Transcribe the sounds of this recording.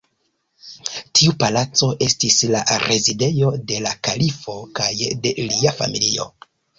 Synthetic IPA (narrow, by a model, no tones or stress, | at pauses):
tʰiupalat͡so̞ʔe̞stisla̰ɾe̞zide̞jo̞de̞lakalifo̞kajdeliafa̰milio̞̰